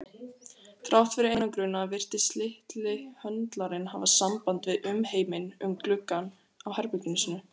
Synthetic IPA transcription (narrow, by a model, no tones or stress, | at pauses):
θɾawt̪fɪɾɪenakɾʏnːaːvɪr̥t̪ɪst̪lɪht̪lɪhœnt̪laɾɪnɦavasampant̪vɪðʏmheːjmɪnʏmklʏkːan | awhɛɾpʏcnɪnsɪnʏ